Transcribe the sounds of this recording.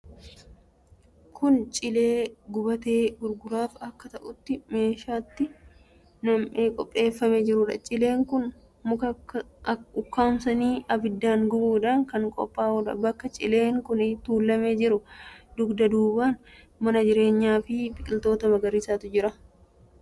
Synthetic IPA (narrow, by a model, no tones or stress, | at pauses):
kʰʊnt͡ʃʼɪleːɡʊbɐt̪e̞ːɡʊɾɡʊɾaːfɐkːɐt̪ɐʔʊt̪ːɪme̞ːʃaːt̪ːɪ | nɐmʔe̞ːkʼɔpʼːe̞ːfːɐmed͡ʒɪɾʊᶑɐ̰t͡ʃʼɪle̞ːŋkʊn | ʊkːaːmsɐniːʔɐbɪd̪ːaːŋɡʊbuːᶑ̪aːŋkɐŋkʼɔ̰pʼːaːʊᶑɐ̰bɐkːɐt͡ʃʼɪ̰le̞ːŋkʊnɪt̪uːlːɐme̞ːd͡ʒɪɾʊd̪ʊɡd̪ɐd̪uːbaːn | mɐnɐd͡ʒɪɾe̞ːɲːaːfɪbɪkʼɪlt̪o̞ːt̪ɐmɐɡɐɾisaːt̪ʊd͡ʒɪɾɐ